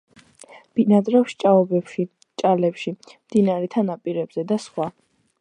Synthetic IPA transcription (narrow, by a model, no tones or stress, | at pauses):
b̥inad̪ɾɛfʃt͡ʃʼaɔbɛpʃi | t͡ʃʼalɛpʃimd̪inaɾɛt̪ʰanapʼiɾɛbz̥ɛd̪asχwa